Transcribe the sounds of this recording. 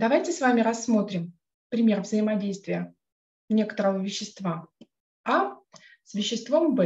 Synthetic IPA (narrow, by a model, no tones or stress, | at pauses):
d̪ɐvajtʲɪsvamʲɪɾɐsːmo̞t̪ɾʲɪm | pɾʲɪmʲe̞rvzəɪmɐdʲejst̪vʲɪjə | nʲe̞kə̥t̪əɾəvəvʲɪɕːɪst̪va | a | svʲɪɕːɪst̪vombɛ